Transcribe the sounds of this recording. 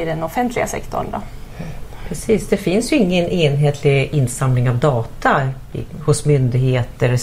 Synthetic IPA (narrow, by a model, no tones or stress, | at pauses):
ɪdɛnɔfɛnt̪ʰlɪɡa̰sɛ̰kt̪ʰɔ̰ɳd̪ɔ̰ | pʰɾɛsiːsd̪ɛfɪnsjɵɪŋːənʔeːnɦeːt̪ʰlɪɡɪnːsamlɪŋavd̪ɑːt̪ʰa | hʊsmʏnd̪ɪɡheːt̪əɾ